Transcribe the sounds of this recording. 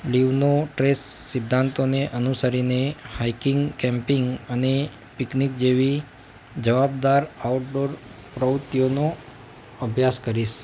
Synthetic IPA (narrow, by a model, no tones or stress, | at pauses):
liʋnoʈɾesːɪd̪ʱːãnt̪oneʔənusəɾinehaikɪŋɡkɛ̃mpɪŋɡəne | pɪknik̚d͡ʒeʋi | d͡ʒəʋab̚d̪aɾauʈɖoɾ | pɾəʋt̪jono | əbʱjaskəɾiʃ